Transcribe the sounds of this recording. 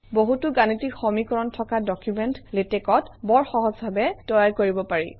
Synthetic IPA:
boɦutʊɡanitikxomikɔɹɔntʰɔkadɔkjumɛntletɛkɔtbɔɹxɔɦɔzbʱabɛtɔjaɹkoɹibɔpaɹḭ

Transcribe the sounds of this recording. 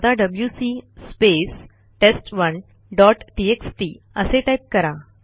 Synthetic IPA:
d̪aɖəbljusispes | ʈesʈʋən | ɖɔʈʈieksʈi | əseʈajp̚kəɾa

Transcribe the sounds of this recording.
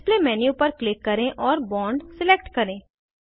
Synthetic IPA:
pleːmɛːniːʊpːəɾklɪkːəɾẽːʔɔːɾbɔːɳɖsɪleːk̚ʈkəɾẽː

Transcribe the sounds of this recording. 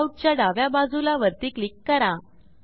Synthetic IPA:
uʈ̚t͡ɕjaɖaʋjabad͡zulaʋəɾt̪iːklikːəɾã

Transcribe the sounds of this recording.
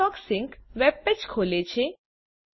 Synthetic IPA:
ɔksɪŋkʋɛp̚pet͡ʃkʰolet͡ʃʰe

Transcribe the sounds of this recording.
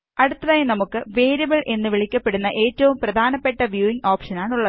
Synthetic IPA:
ɐɽut̪ːɐðaːjɐnɐmukːɨʋeːɾjɐbɐɭʔe̞nːɨʋiɭikʲːɐpːe̞ɽunːɐʔe̞ːtːɐʋumprɐd̪ʱaːnɐpːe̞ʈːɐʋjuːiŋɡoːpʂɐnaːɳuɭːɐ

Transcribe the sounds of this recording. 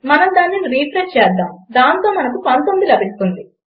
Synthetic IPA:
mɐnɐmd̪aːnːiniɾiːpɾest͡ʃɛːd̪ːaːmd̪aːnt̪o̞ːmɐnɐkupɐnt̪omd̪ilɐbisu̥k̪und̪i

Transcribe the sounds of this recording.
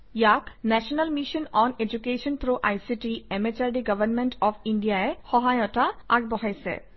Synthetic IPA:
jaknɛʃɔnɐlmiʃɔnɔned͡ʒukeʃɔnt̪ɾoʔajsiʈiemet͡ʃaɾɖiɡɐʋəɾnmeɳʈɔpʰiɳɖijaehɔɦajɔʈaaɡ̚bɔɦajsɛ̰

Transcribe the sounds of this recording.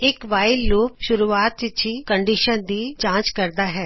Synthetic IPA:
ɪkʋaːɪlːoːp̚ʃʊɾuːaːt̪ɪt͡ʃʰikəɳɖiːʃənd̪iːd͡ʒãːt͡ʃkəɾd̪aːɦɛː

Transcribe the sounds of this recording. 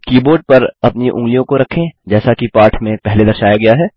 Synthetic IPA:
kiːboːɾɖ̚pɐɾɐpniʔʊ̰̃ŋɡlijõkoɾɐkʰẽd͡ʒɛːsakipaːɾʈʰmẽpɛɦled̪ɐɾʃaːjaɡɐjaɦɛː

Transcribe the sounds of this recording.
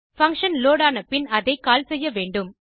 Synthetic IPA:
fɐŋkʂɐnloːɽaːnɐpɪnɐðɐɪkaːlsɛjːɐʋeːɳɖɯm

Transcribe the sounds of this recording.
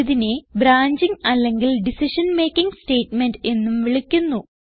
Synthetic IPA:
ðinebɾaːɲd͡ʑiŋɐlːe̞ŋɡilɖisiʂɐnme̞ːkʲːiŋɡste̞ːʈme̞nɖe̞nːumʋiɭikʲːunːu

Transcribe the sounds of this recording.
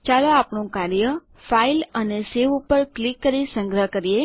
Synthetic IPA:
t͡ʃaloapɳõkaɾjə | failəneseʋupəɾklikːəɾisə̃ŋɡɾəɦkəɾie

